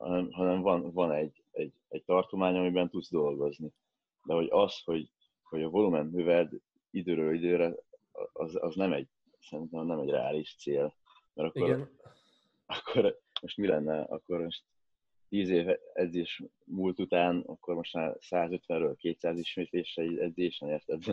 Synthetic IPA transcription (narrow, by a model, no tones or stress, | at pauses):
hɒ̰nɛmɦɒnɛɱvɒnvɒnɛɟ | ɛɟ | ɛɟ̚t̪ɒrt̪o̞maːɲɒmibɛnt̪ud̪zd̪o̞lɡo̞zni | d̪ɛɦo̞ɟɒsho̞ɟ | ho̞ɟɒvo̞lumɛnmøvɛd̪ | id̪øːɾøːlid̪øːɾɛɒzɒznɛmɛɟ | sɛɾint̪ɛmnɛmɛɟrɛ̰a̰ːliʃt̪seːl | mɛɾɒkːo̞ɾ | ɒkʰːoɾmo̞ʃt̪milɛnːɛɒ̰kːo̞ɾmo̞ʃt̪ | t̪iːzeːvɛ̰dzeːʃ | muːlt̪ut̪aːnɒ̰kːo̞rmo̞ʃt̪maːrsaːzø̞t̪ʋɛnrøːlkeːt̪saːziʃmeːt̪leːʃɛiɛdzeːʃɛneːrt̪ɛd̪zɛ